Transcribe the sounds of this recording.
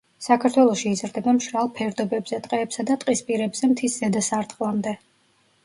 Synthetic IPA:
sakʰaɾt̪ʰwɛlˠɔʃiːzɾd̪ɛbamʃɾalˠpʰɛɾd̪ɔbɛbzɛt̪ʼqʼɛːpsad̪at̪ʼqʼispʼiɾɛbz̥ɛmt̪ʰiszɛd̪asaɾt̪ʼχʼlˠamd̪ɛ

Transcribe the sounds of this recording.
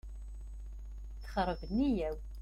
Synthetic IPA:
t͡sːχəɾˤvənijæw

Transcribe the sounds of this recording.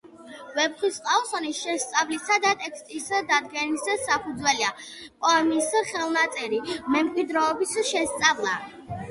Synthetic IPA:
vɛbχisqʼaɔsɔnisʃɛst̪sʼavlisad̪at̪ʼɛkʰst̪ʼisd̪ad̪ɡɛnissapʰud̪zwɛlia | pʼɔɛmiːsχɛlˠnat̪sʼɛɾimɛmkʼwid̪ɾɛɔbisʃɛst̪sʼavlˠa

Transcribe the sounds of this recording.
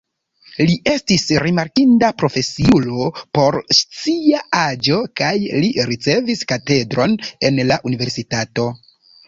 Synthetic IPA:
liʔe̞stisɾimaɾkindapɾo̞fe̞siulopo̞ɾst͡siaad͡ʒo̞kajliɾit͡se̞viskate̞dɾo̞ne̞nlaʔunive̞ɾsitato̞

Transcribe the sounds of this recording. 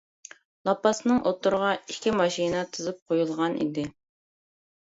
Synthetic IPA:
lˠɑpːɑsɨnɨŋʔot̪ːʊɾəʁɑikʲimɑʃinɨt̪ʰɨzɨp̚qʰojulˠʁɑnḭd̪ɪ

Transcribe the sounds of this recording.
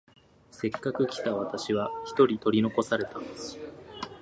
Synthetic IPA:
se̞kːakɯ̟kʲi̥t̪aβ̞at̪aɕiβaçi̥t̪o̞ɾʲit̪o̞ɾʲino̞ko̞saɾe̞t̪a

